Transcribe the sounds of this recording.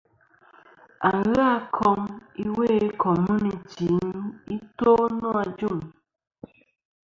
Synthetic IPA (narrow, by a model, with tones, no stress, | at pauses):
a˨ŋɣa˦kʰɔ˧ŋi˦we˦˨˦kʰɔ˨mu˦ni˨t͡ʃi˨˦ni˦to˦nɔ˦a˧d͡ʒu˦˨m